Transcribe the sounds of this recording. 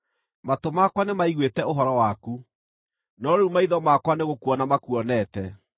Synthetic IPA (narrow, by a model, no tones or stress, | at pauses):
matomakwanemaiɣwetɛoɦɔɾɔwaku | nɔɾeumaiðɔmakwaneɣokuɔnamakuɔnɛtɛ